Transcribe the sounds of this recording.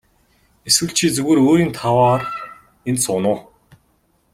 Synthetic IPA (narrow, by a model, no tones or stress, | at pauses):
eswɘ̆ɬt͡ɕʰiːt͡suɣeːɾoːɾiːnt̪ʰawaːr | ent̪sʊnʊː